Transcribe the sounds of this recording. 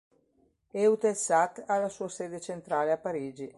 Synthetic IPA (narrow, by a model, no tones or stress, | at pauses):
eut̪esat̪alːasuːaseːd̪et͡ʃent̪ɾaːleapːaɾiːd͡ʒi